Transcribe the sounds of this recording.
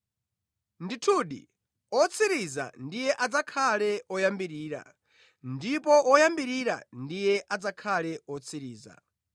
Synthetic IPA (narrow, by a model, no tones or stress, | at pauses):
nditʰuːɗḭ | ɔt͡sʰiɾiza̰ndijɛʔad͡zakʰalɛɔjambiɾiːɾa̰ | ndipɔʔɔjambiɾiɾa̰ndijɛʔad͡zakʰalɛɔt͡sʰiɾiːza̰